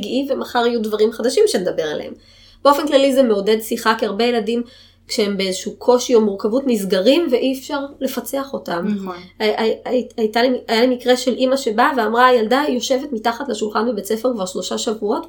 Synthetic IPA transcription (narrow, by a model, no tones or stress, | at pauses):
ɡʔivemaχaʁijudvaʁimχad̪aʃimʃenedabe̞ʁa̰lḛḛm | b̥eo̞fe̞nklalizeme̞ode̞dsiχakeaʁbe̞jeladim | kʃeembeezeʃukʰo̞ʃio̞muʁkavutnizɡaʁimveʔiɛfʃaʁle̞fat͡seaχo̞tam | aajtalemiajalemikʁe̞ʃe̞lʔimaʃe̞baveamʁaːjaldajo̞ʃe̞vetmitaχatlaʃulχanbibet͡se̞feʁkvaʁʃlo̞ʃaʃavuo̞t